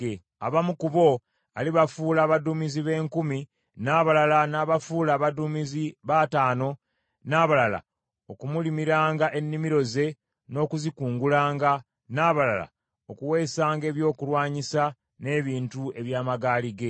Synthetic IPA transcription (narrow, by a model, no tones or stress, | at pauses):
e | aβamukuβo̞ | a̰liβafuːlaːβadumiziβe̞ːŋkumi | naːβalalanaːβafuːlaːβadumiziβataːno̞ | naːβalala̰ | o̞kumulimiɾaːŋɡaʔe̞nːimiɾo̞ze̞ | no̞ːkuzikuːŋɡulaːŋɡa | naːβalala̰ | okuwe̞ːsaːŋɡe̞ːβjo̞ːkulwaːɲisa | ne̞ːβiːntue̞βjaːmaɡaːliɡe̞